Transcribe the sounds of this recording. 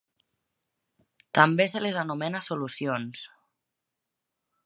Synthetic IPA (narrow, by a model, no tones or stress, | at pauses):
t̪ambeselezanumɛnasulusions